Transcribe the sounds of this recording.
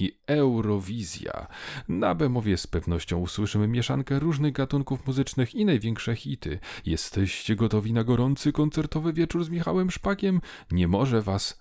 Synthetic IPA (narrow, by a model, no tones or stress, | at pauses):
iɛwɾɔvʲizʲja̰na̰bɛmɔvʲjɛspɛvnɔɕt͡ɕɔ̃w̃uswɘʂɘmɘmʲjɛʂa̰ŋkɛɾuʐnɘɣɡat̪uŋkufmuzɘt͡ʂnɘxinajvʲjɛŋkʂɛxʲit̪ɘ̰jɛst̪ɛɕt͡ɕɛɡɔt̪ɔvʲinaɡɔɾɔnt̪sɘkɔnt̪sɛɾt̪ɔvɘvʲjɛt͡ʂuɾzmʲixawɛmʂpakʲɛm | ɲɛmɔʐɛvas